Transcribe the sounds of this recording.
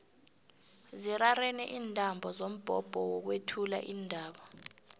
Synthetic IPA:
zirarɛnɛʔiːntʼambʱɔzom̩b̥ʱɔb̥ʱɔwɔk̬wetʰula̰ʔiːndʱaːɓɔ

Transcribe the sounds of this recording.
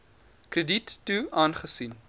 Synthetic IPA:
krəditːuɑːnχəsin

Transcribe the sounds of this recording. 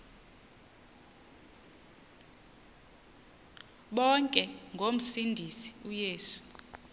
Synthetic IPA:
ɓɔŋkʼɛŋɡʱom̩sindʱisi̥ujeːsu̥

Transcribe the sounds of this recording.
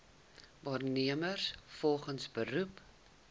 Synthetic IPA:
vɑːrniəmərsfɔlˠχənsbəɾup

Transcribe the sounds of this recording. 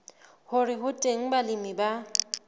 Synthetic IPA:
hʊrɪɦʊtʼeŋ̩balɪmiba

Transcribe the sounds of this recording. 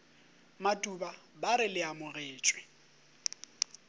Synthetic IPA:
matʼubabaɾɪlɪamʊɣeːt͡ʃʼwɪ̥

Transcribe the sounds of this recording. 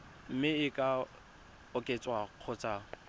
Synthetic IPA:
m̩mɪɪkʼa | ʊkʼet͡sʼwaq͡χʰʊt͡sʼa

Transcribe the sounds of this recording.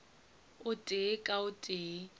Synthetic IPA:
ʊtʼekʼaʊtʼeː

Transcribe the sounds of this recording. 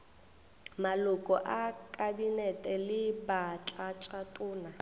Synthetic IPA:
malʊkʼɔʔakʼabinɛtʼɛlɪbat͡ɬʼat͡ʃʼatʼʊːna

